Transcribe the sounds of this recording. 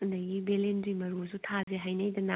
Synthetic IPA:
ɐndɐjɡibelendɾimɐɾusutʰazeɦajnɐjdɐna

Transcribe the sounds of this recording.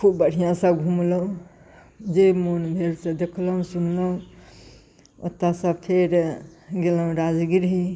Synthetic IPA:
kʰubːəɽ̤ijãsəbɡʱumləũ | d͡ʒemonbʱeɾsẽd̪ekʰlɦũsunləɦũ | o̰t̪ːasəbpʰeɾɡeləɦũɾad͡ʒɡiɾɦi

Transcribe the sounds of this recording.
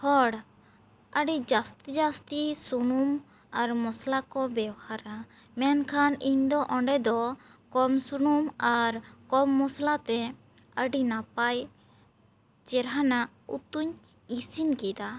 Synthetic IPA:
hɔɽ | əɖid͡ʒast̪id͡ʒast̪isunum | aɾmɔslakɔbɛwhaɾa | mɛnkʰaniɲd̪ɔʔɔɳɖɛd̪ɔkɔmsunumaɾkɔmːɔslat̪ɛ | əɖinapaj | t͡ʃɛɾɦanaʔ | ṵt̪uɲ | isinkɛd̪a

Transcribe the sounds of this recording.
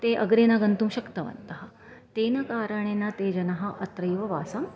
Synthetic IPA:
t̪eʔɐ̰ɡɾenaɡɐnt̪uːmɕɐkt̪ɐʋɐ̰nt̪ɐɦɐ | t̪enɐkaːɾəɳ̃enat̪ed͡ʑɐnɐɦɐʔɐt̪ɾɐjʋɐʋa̰ːsɐm

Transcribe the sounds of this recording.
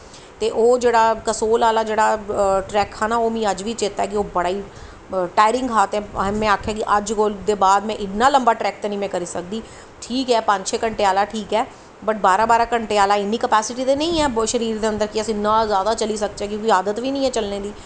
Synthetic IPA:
t̪eːʔoːd͡ʒeːɽaːkəsoːlaːlaːd͡ʒeːɽaːʈɾɛːkʰːaːnaːoːmĩːəd͡ʒʋiːt͡ʃet̪aːɛːkɪoːbəɽaːiː | ʈaːɪɾɪ̃ŋɡkʰaːt̪ɛ̃ːmɛ̃ːaːkʰjaːkɪʔəd͡ʒkoːld̪eːbaːd̪mɛ̃ːʔɪtnːaːləmbaːʈɾɛːk̚t̪əːnĩːmɛ̃ːkəɾiːsəkd̪iː | ʈʰiːkɛːpə̃ɲʃeːkəɳʈeːaːlaːʈʰiːkɛː | bəʈ̚baːɾãːbaːɾaːkəɳʈeːaːlaːɪniːkəpɛːsɪʈiːt̪eːnəĩːɛːʃəɾiːɾd̪eːənd̪əɾkiasɪnːãːzjaːd̪aːt͡ʃəliːsək̚t̪ɛːk̬õːkiaːd̪ət̪ʋiːnəĩːɛːt͡ʃəlneːd̪iː

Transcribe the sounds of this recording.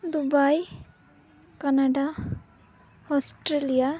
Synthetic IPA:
d̪ubaj | kanaɖa | ɔsʈɾelija

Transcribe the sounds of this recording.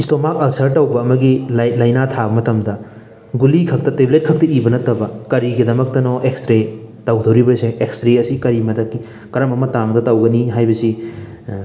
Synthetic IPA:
istomak̚ɐlsɐɾtɐwbɐːmɐɡillajnatʰabɐmɐtɐmdɐ | ɡulikʰɐk̚tɐteblet̚kʰɐk̚tɐibɐnɐtɐbɐkɐɾiɡidɐmɐk̚tɐnɔʔekstɾetɐwdʰɐwɾibɐseʔekstɾeɐsikɐɾimɐtɐki | kɐɾɐmɐmɐtaŋdɐtɐwɡɐniɦajbɐsi

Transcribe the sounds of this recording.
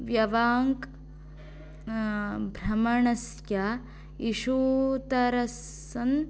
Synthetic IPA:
ʋjɐʋaːŋk | bʱɾɐmɐɳɐsja | iʃuːt̪ɐɾɐs | ɐn

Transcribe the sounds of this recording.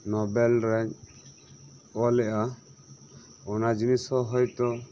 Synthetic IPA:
nɔbɛlɾɛɲt͡ʃ | ɔlɛʔa | ɔnad͡ʒinisɔɦɔjt̪ɔ

